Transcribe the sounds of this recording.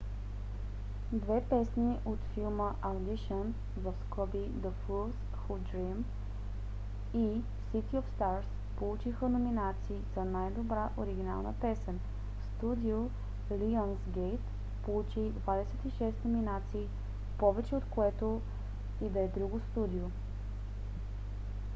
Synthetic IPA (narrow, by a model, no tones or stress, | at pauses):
d̪vɛpɛsniʔot̪filˠməʔɐd̪iʃən | vəfskɔbi | d̪əfulˠs | xud̪ɾim | i | sit̪iofst̪aɾs | polˠut͡ʃixənominat̪siːzɐnajd̪obɾaʔoɾiɡ̟ina̰lˠnə̰pɛsɛn | fst̪ud̪io | liənsɡejt̪ | polˠut͡ʃid̪vad̪ɛsɛt̪iʃɛst̪nominat̪siː | pɔvɛt͡ʃɛot̪koɛt̪o | id̪ɛɛd̪ɾuɡost̪ud̪io